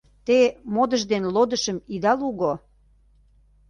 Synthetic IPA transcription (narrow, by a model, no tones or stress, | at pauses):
t̪emod̪əʒd̪enlod̪əʃəmid̪ɑluɣo